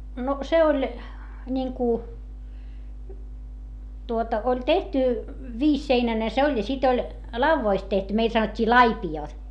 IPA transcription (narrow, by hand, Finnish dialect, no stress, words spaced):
no se olʲ nʲiŋku tuotɑ olʲ tehty ʋiːsːeinæne se olʲ jɑ sit olʲ lɑuʋːoist tehty meil sɑnotʲːiː lɑipioˑt